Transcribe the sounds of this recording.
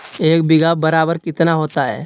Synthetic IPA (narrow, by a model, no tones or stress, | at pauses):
eːkbɪɡabɐɾaːbəɾkɪt̪naɦoːt̪aɦɛ̰ː